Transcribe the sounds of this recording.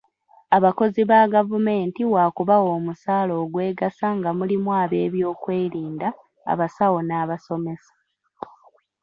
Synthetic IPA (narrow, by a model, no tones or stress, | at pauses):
aβako̞ziβaɡavume̞ːntiwaːkuβawo̞ːmusaːlo̞ːɡwe̞ːɡasaŋɡamulimwaːβe̞ːβjo̞ːkwe̞ːɾiːnda̰ː | βasawo̞naːβaso̞me̞sḁ